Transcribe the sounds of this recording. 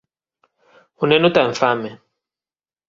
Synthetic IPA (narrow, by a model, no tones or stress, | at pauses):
unɛnutaɱ̩famɛ